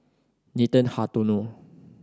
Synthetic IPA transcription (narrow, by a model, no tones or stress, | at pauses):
nit̪ə̃nhat̪uno